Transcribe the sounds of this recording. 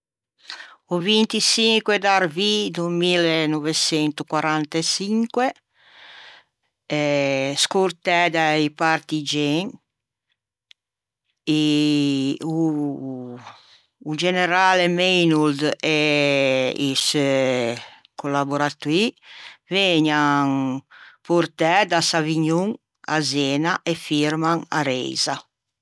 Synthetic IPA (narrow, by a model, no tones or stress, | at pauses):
ovint̪isiŋkwed̪aɾvid̪umilenovet͡ʃɛnt̪okwaɾant̪at͡ʃiŋkwe | ɛskuɾt̪ɛd̪aipaɾt̪id͡ʒɛŋ | i | u | ud͡ʒeneɾalemejnuld̪e | is | kolaboɾat̪uiveɲaŋpuɾt̪ɛd̪asaviɲuŋ | azeːnaʔefiɾmaŋa̰ɾɛ̰jza